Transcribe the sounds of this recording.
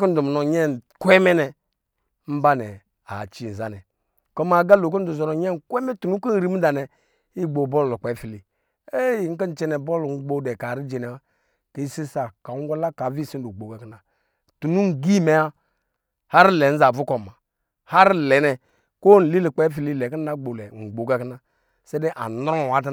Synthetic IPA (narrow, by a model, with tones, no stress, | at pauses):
ko˦n̩˦du˨m˨nɔ˨ɲɛ˦n˨kʷɛ˦mɛ˦nɛ˨ | m̩˦ba˦nɛ˨ | a̰˨t͡ʃi˨n̩˨za˨nɛ˨ | kɔ˦ma˨ɡa˦lo˨k̬o˦n̩˦du˨zɔ˨nɔ˨ɲɛ˦n̩˨kʷɛ˦mɛ˦tu˨nu˦ko˦n̩˦ɾi˦m̩˦da˨nɛ˨ | i˦ɡ͡bo˨bɔ˦llu˨k͡pɛ˨˦fi˨li˨ | e˦˨ŋ̩˦kə˦n̩˨t͡ʃɛ˦nɛ˨bɔ˦lŋ̩˦ɡ͡bo˦dɛ˨ka˨ɾi˦d͡ʒe˨nɛ˨a˨ | ke˨˦i˦si˦sa˨ka˨˦ɡʷa˦la˦ka˨˦vi˦˨si˦n˦du˨ɡ͡bo˨ɡa˨kna˨ | tu˨nu˦ŋ̩˨ɡi˦me˨a˦ | ha˦ɾi˦lɛ˨˦n̩˦za˨vu˦kɔ˨ma˨ | ha˦ɾi˦˨lɛ˨˦nɛ˨ | ko˦n̩˨li˦li˨k͡pe˦fi˨li˦lɛ˨ki˦n˦da˦ɡ͡bo˨lɛ˨ŋ̩˨ɡ͡bo˨ɡa˦kna˨ | se˦de˦ʔa̰˨n˦ɾwa˦t̬a˦